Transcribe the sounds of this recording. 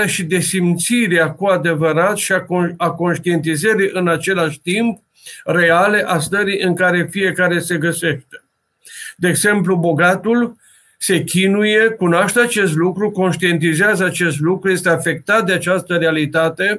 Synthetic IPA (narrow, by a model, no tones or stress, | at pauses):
aʃid̪e̞simt̪siɾeakuad̪e̞vəɾat̪ʃiaako̞nʃt̪ie̞nt̪izəɾiʔɨnat͡ʃe̞laʃt̪imp̚ | re̞ale̞ʔast̪əɾiʔɨŋkaɾe̞fije̞kaɾe̞se̞ɡəse̞ʃt̪e | d̪e̞ːɡze̞mplubo̞ɡat̪ul | se̞kʲinuje̞kunoaʃt̪eat͡ʃe̞s̬t̪lukɾuko̞nʃt̪ie̞nt̪izeazəat͡ʃe̞st̪lukɾuje̞st̪e̞afe̞k̚t̪at̪̚d̪eat͡ʃast̪əɾealit̪at̪e̞